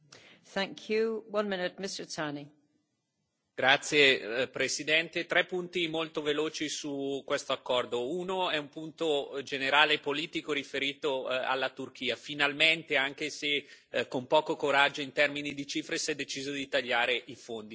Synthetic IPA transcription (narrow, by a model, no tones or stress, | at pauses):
θæ̃ŋkʰjuwʌ̃nmɪ̃nɪt̚mɪstə˞tʰani | ɡ̥ɾat̪sːjepɾesid̪ɛnt̪et̪ɾɛpːunt̪imolt̪oveloːt͡ʃisukːwest̪oakːɔrd̪ounoɛumpunt̪od͡ʒeneɾaːleːpoliːt̪ikoɾifeɾiːt̪oa̰lːat̪urk̟iːafinalment̪eaŋk̟ese | kːompɔːkokoɾad͡ʒːoint̪ɛrminid̪it͡ʃiːfɾesɛd̪ːet͡ʃiːzod̪it̪aʎːaːɾeʔifond̪i